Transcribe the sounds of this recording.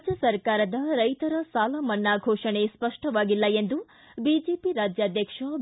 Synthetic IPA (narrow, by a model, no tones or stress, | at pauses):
d͡ʒjɐsɐɾkaːɾɐd̪ɐɾɐjt̪ɐɾɐsaːlɐmɐɳːaːɡʱoːʂɐɳespɐʂʈɐʋaːɡilːɐend̪u | bid͡ʒeːpiɾaːd͡ʒjaːd̪ʱjɐkʂɐ